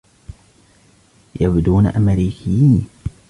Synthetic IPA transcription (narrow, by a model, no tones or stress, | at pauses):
jabd̪uːna̰ʔamɾiːkʰɪjiːn